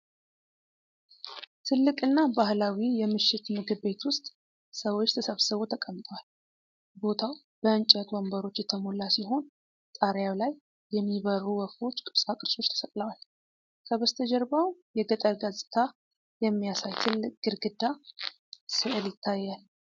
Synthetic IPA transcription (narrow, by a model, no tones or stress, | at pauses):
t̪ʰɨlːɨkʼɨnːabahlawijɛmɨʃːɪt̪mɨɡɨβːe̞t̪wʊst̪ʼ | səwo̞t͡ʃːt̪ʰəsəβsɨβot̪ʰəkʼəmt̪ʼəwal | bo̞t̪ʰaw | b̥əɨnt͡ʃʼɛt̪wɔmbəɾo̞t͡ʃːjɛt̪ʰəmolːasiɦo̞n | t̪ʼaɾjawlajː | ɛmːiβərːuwəfo̞t͡ʃːkʼɨβsakʼɨɾso̞t͡ʃt̪ʰə̥sət̪ʼləwal | kʰəβəst̪ʰəd͡ʒɛɾbawjɛɡət̪ʼəlɡazʼɪ̥t̪ʰa | jɛmːijasajt̪ʰɨlːɨkʼɡ̥ɨɾɡɨd̪ːa | sɨʔɨljɪt̪ʰːajːal